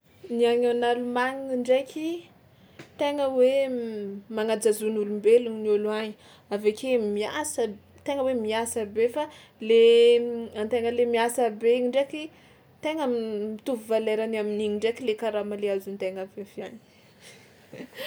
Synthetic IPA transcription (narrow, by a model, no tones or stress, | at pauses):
niaŋonalumaŋiiɳɖ͡ʐekʰʲi | t̪eŋəwe | maŋad͡zazunulumbeluɲiniuluaɲi | avekemiasə | t̪eŋəwemiasəbefa | le | ant̪eŋəlemiasəbeiɳɖ͡ʐekʲi | t̪eŋəmit̪uvuvaleɾanaminiɲiɳɖ͡ʐekilekaɾamaleazunt̪eŋavefiaɲi̥